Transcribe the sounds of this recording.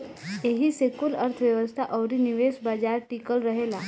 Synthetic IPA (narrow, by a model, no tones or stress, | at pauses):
eɦisekuləɾt̪ʰəʋjəʋəst̪ʰaʔɔwɾiniʋesbad͡ʒaɾʈikəlɾəɦela